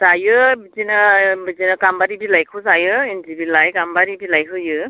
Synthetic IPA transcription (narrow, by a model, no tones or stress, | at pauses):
zajɯbizinɯbizinɯkambaɾibilajkʰɯzajɯenzibilajkambaɾibilajkʰɯjɯ